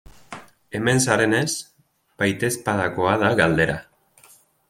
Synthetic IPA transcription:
e̞me̞nsaɾe̞ne̞s | b̥ajt̪e̞spaðako̞að̞aɣald̪e̞ɾa

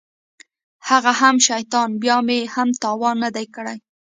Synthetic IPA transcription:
haɣaɦamʃajt̪ɑnbjɑmeehamt̪ɑwɑnːad̪ajkəɽaj

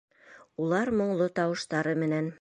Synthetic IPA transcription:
ulˠɑɾmŏɴlˠot̪ɑwɤ̆ʃt̪ɑɾɤmɘ̆næn

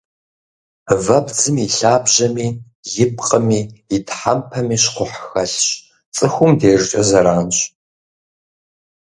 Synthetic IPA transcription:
vɐbd͡zɨmiɬaːbʑɐmiː | jɪp̚qʼəmiːɪtʰħampʰɐmiːɕqʷʊħxɐɬɕ | t͡sʼɨxʷʊmdeːrt͡ʃʼɐzɐɾaːnɕʼ

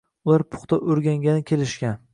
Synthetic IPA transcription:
ʊlaɾpʰʊ̥χt̪aʔoɾɡʲaŋɡʲanɪkʲʰe̞lɪʃkʲan

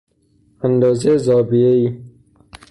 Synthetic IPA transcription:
and̪ɔːzezɔːbijeiː

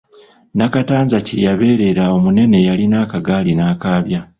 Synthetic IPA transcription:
nakataːnzacijaβe̞ːɾe̞ɾao̞mune̞ne̞jalinaːkaɡaːlinaːkaːβja

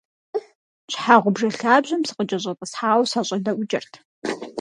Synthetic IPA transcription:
ɕħaːʁʷʊbʐɐɬaːbʑɐmsɨ̥qʼəd͡ʒʼɐɕ̬ʼɐtʼəsħaːwsɐɕʼɐdɐʔʷʊd͡ʒɐrtʰ

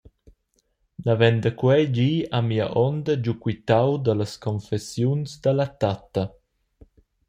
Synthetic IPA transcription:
navɛnd̪əkwɛd͡ʒiːamiːa̰ʔɔnd̪əd͡ʒukwit̪awd̪ələskʰɔnfɛsjunsd̪əlat̪at̪ə

